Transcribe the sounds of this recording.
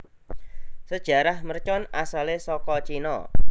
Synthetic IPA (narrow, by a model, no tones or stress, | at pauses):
səd̥ʒ̥a̤ɾahmərt͡ʃɔnasalesɔkɔt͡ʃinɔ̰